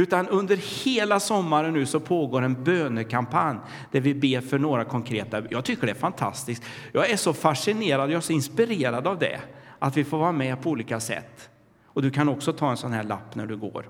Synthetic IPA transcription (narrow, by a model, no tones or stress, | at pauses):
ʉ̟ːt̪anɵnd̪əɾheːlasɔmːaɾənːʉ̟ːsɔpʰoːɡoːɾɛnbøːnəkʰampʰanj | d̪̥æɾvɪbeːɾfœɳoːɾakʰɔŋkʰɾeːt̪ajɑːɡt̪ʰʏkːəɖɛæfant̪ʰa̰st̪ɪsk̚t̪jɑːɡæʂɔfaʂɪneːɾad̪ɔjɑɛʂsɔɪnspɪɾeːɾad̪avd̪ɛ̰ʔat̪vɪfoːɾvɑːɾamɛpʰɔuːliːkasɛ̰t̪ː | ɔd̪ɵkʰanɔksɔt̪ʰɑːɛnsɔnɦæːɭa̰pːnæ̰ɖɵɡo̰ːɾ